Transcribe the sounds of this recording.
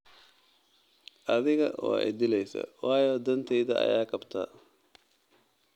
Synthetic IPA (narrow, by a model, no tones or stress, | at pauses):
ʔɐðɪɣɐʔɔ̰ːɛ̰jd̪ɪlɛjsɐ̰wɑːjɔːd̪ɐnt̪ʰɛjðɐʔɐ̰jaːkʰɐbt̪ʰa̰ː